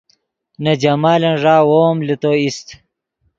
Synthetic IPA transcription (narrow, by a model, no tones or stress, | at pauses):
nɐd͡ʑɐmaːlɐnʐaːwoːmlit̪oist̪